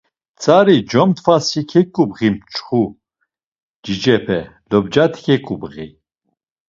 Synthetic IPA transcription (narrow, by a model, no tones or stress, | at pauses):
t͡sʰʼaɾid͡ʒɔmt̪ʰfasikʰɛkʼubʁimt͡ʃʼχu | d͡ʒid͡ʒɛpʰɛlɔbd͡ʒat̪ʰi̥kʰɛkʼubʁi